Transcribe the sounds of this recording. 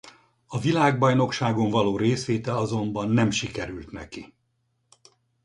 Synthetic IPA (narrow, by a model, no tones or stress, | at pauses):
ɒvilaːɡbɒjno̞kʃaːɡo̞ɱvɒloːɾeːsʋeːt̪ɛɒzo̞mbɒnːɛmʃikɛɾylt̪nɛ̰ki